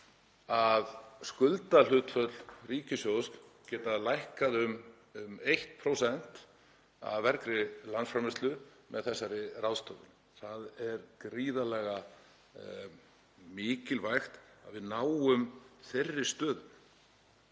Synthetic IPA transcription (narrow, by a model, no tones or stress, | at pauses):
aðskʏlt̪al̥ʏt̪fœt̪l̥riːcɪsjowsk | cɛːt̪alajhkaðʏm | mejht̪̚pʰɾowsɛn̥t̪ | a̰vvɛɾkɾɪlansfɾamɪst̪lʏ | mʔɛðθɛsːaɾɪrawst̪œðɪn | θaðɛɾkɾiːðalɛːɣa | mɪːcɪlvajxt̪a̰ðvɪðnaːwʏmθerːɪ̥st̪œːðʏm